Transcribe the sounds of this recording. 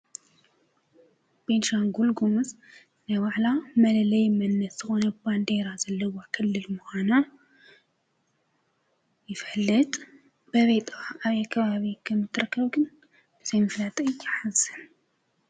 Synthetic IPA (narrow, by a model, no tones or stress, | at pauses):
b̥enʃaŋɡulɡumɨs | nɐβaʕlamɐlɐlɐjmɐnːɐsz̥ɨxo̞nɐband̪e̞ɾazɐlːɐwakʰɨlːɨlmɨxʷana | jɪfɐlːɨt̪ʼ | b̥əβet̪ʼaaβjakʰːɐβaβikʰɨmːɨt̪ʰːɨɾɐkːəβɡɨn | bɨz̥ɐjmɨflat̪ʼɨjːaħazɨn